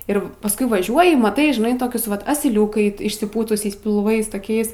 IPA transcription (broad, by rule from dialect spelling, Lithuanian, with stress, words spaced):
ɪr pɐsˈkʊɪ ʋɐˈʒʲuɔjɪ mɐˈtɐɪ ʒʲɪˈnɐɪ ˈtoːkʲʊs ʋɐt ɐsʲɪˈlʲuːkɐɪ ɪʃʲsʲɪˈpuːtʊsʲɛɪs pʲɪlˠˈʋɐɪs toːˈkʲɛɪs